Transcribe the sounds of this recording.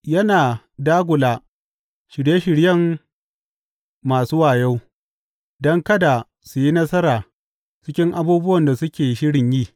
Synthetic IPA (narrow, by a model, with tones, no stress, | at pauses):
jɐ˦naː˨ | daː˦ɡʷʊ˨laː˨ | ʃɪ˨ɽje˦ʃɪ˨ɽjɐ˦˨ŋ | maː˨suː˦waː˨ja˦w | dɔ˦ŋkɐ˦da˨ | su˨ji˦nɐ˦sɐ˦ɾaː˨ | t͡ʃɪ˦kʲɪ˦ŋʔa˦buː˦bʊ˦wɐ˨nda˨sʊ˦kʲeː˨ʃɪ˦ɽɪ˨ɲjiː˦˨